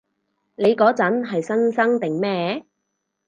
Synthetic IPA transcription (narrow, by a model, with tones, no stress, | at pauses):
ne˨˧jkɔː˨˥t͡sɐ˨˥nɦɐ˨jsɐ˥nsɐ˥ŋt̪ɪ˨˩ŋmɛː˥